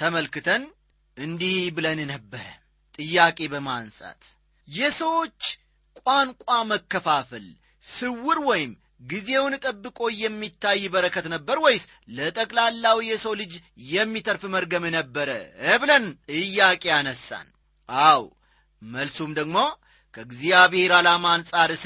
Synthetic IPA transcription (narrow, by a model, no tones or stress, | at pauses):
t̪ʰəməlkɨt̪ʰən | ɨnd̪ihbɨlənnəbːəɾə | t̪ʼɨjːakʼe̞bəmansʼa̰t̪ | jɛsəwo̞t͡ʃː | kʷʼwankʷʼaməkːəfafəl | sɨwːɨɾwɔjɪm | ɡize̞wnɨt̪ʼəbːɨkʼo̞jɛmːit̪ʰːajːbəɾəkʰːət̪nəbːəɾwɔjs | lət̪ʼəkʼlalːawjɛsəwlɨd͡ʒjɛmːit̪ʰəɾfməɾɡəmɨnəbːəɾəəβlənɨjːakʼeanəsːa̰n | ʔaw | məlsumd̪əɡmo̞ | kʰəɡzijaβɨheɾalamansʼaɾɨs